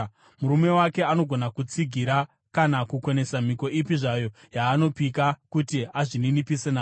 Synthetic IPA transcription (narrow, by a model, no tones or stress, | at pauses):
muɾume̞wake̞ano̞ɡʱo̞nakut͡siɡʱiɾa | kanakukwo̞ne̞sam̤iko̞ʔipiʐajo̞ | jaːno̞pikakutiaʐininipise̞naː